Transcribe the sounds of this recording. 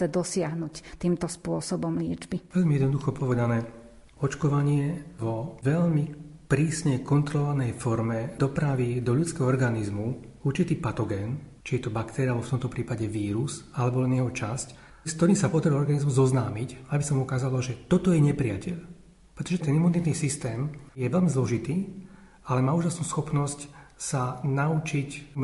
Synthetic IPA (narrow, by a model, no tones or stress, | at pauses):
t͡sɛd̪ɔsɪaɦnuct̪iːmt̪ɔspʊɔsɔbɔmlɪɛd͡ʒbiʋɛʎmiɛd̪nɔd̪uxɔpɔʋɛd̪anɛː | ɔt͡ʃkɔʋaɲɪɛʋɔʋɛʎmipɾiːsɲɛkɔnt̪ɾɔlʋanɛjfɔɾmɛd̪ɔpɾaʋid̪ɔʎut͡skɛːɦɔɔɾɡanizmu | uɾt͡ʃit̪iːpat̪ɔɡɛːnt͡ʃijɛt̪ɔbakt̪ʰɛɾialɛbɔft̪ɔmt̪ɔpɾiːpaɟɛʋiːɾusalɛbɔlɛnjɛɦɔt͡ʃasc | skt̪ɔɾiːmsapɔd̪aɾiɔɾɡanizmuzɔznaːmicabisɔmukaːzalɔʒɛt̪ɔt̪ɔjɛɲɛpɾiacɛʎ | pɾɛt̪ɔʒɛt̪ɛnimunit̪niːsist̪ɛːmjɛʋɛʎmizlɔʒit̪iː | alɛmaːuːʒasnuːsxɔpnɔscsanaut͡ʃic